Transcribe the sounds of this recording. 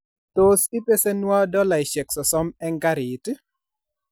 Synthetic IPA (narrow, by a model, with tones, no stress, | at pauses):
t̪o˨sɪ˦pe˦se˦nwa˦dɔ˦la˨ɪ˨ʃɛ˨ksɔ˨sɔ˦mɛ˦ŋɡa˦ɾɪ˨t